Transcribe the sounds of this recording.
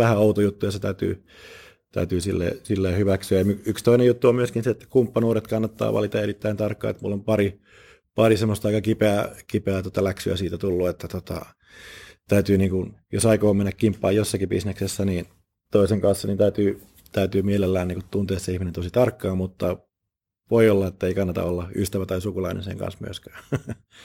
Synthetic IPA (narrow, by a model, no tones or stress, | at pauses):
æhæɑut̪ojut̪ːujɑset̪æyt̪y̰ː | t̪æ̰yt̪yːsilːḛːsilːeːhyʋæksyæjɑmyykst̪oinejut̪ːuommyøskinseet̪ːæ̥kumpːɑnuːɾet̪kɑnːɑt̪ːɑ̰ːʋʔɑ̰lit̪ɑerit̪ːæint̪ɑrkːɑ̰ːḛt̪mṵlːompɑri | pɑrisemːost̪ɑikɑkipeækipeæt̪ot̪ɑlæksyæ̰siːt̪æt̪ulːuet̪ːæt̪ot̪ɑ̰ | t̪æyt̪yːniːŋkunjosɑikoːmenːækkimpːɑ̰ːjjosːɑkibisneksesːæniːn | t̪oiseŋkɑnsːɑnint̪æyt̪yː | t̪æyt̪yːmielelːæːniːŋkut̪t̪unt̪eːseihminent̪osit̪ɑrkːɑːmmut̪ːɑ | ʋoiolːɑet̪ːæeikɑnːɑt̪ɑ̰olːɑyst̪æʋæt̪ɑisukulɑinḛnsḛŋkɑ̰nsmy̰øskæ̥ː